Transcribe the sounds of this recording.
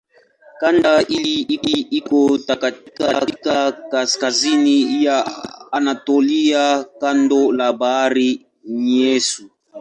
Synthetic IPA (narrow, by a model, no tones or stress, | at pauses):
kandaʔiliiiikotakatikakakaskazinijaanatoliakandolabaɾi | ɲesu